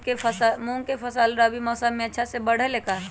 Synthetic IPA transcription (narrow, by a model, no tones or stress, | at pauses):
kesmõːŋɡkepʰɐsaːlɾabimɔːsəmːẽətːʃʰasebəɽ̤əleːkaː